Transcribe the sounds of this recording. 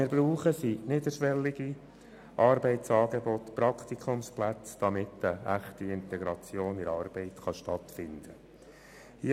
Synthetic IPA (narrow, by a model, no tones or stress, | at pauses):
ɪɾbɾuːχəsinɪdəʃʋɛlːiɡ̥i | ʔɑːɾbɛɪtt͡sɑːɡebɔtpɾɑkt̪ikʰχʊmsplæt͡sd̪̥ɑmɪt̪əæχtiɪnt̪ɛɡɾɑt͡sjoːnɪɾɑːɾb̥ɛɪt̪χɑʃtɑt̪fɪnd̪̥ə | hi